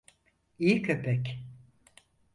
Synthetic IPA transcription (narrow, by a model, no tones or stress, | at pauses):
ijicʰø̞pʰɛc